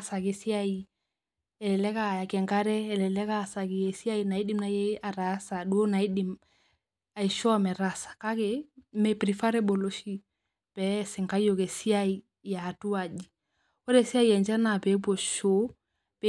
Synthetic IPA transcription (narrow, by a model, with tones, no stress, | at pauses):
sa˨ke˨si˦a˦i | ɛ˨lɛ˨lɛ˦ka˦˨ja˨kɛ˨ŋɡa˦ɾɛː˦˨lɛ˨lɛ˦ka˦˨sa˨ki˨je˨si˦a˦i˨na˨i˦di˦mna˦jɛ˦a˨ɾa˨˦sa˨du˦o˦na˨i˦di˨m | a˨i˨ʃɔ˦a˨mɛ˨ɾa˦sḁ˨ka˦ke˨mɛ˨pɾi˨fa˦ɾɛ˦bo˨lo˦ʃi˦ | pɛ˨˦sɪ˨ŋka˦jo˨ke˨si˦a˦i˦ | ja˨tu˦a˨d͡ʒi˨ | o˦ɾɛ˦˨si˦a˦i˦ɛ˨ɲd͡ʒɛ˦na˨pɛ˨˦b̬o˨ʃo˦ | pɛ